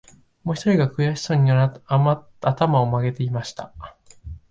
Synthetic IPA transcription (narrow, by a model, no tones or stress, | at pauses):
moːçi̥t̪oɾʲiɡakɯ̟jaɕi̥soɲ̟ima | at̪amao̞maɡe̞t̪e̞imaɕi̥t̪a